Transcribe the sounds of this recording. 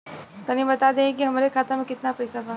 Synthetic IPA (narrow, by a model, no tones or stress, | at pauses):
t̪ɐnĩbɐt̪ad̪ẽkiɦɐmaɾekʰaːt̪amẽkɪt̪napɐjsabʱa